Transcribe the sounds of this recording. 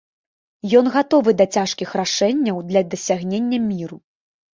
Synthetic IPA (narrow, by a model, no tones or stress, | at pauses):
jɔnɣat̪ɔvɨd̪ɐt͡sʲaʂkʲixraʂɛnʲːɐwd̪lʲɐd̪ɐsʲaɣnʲenʲːɐmʲiɾu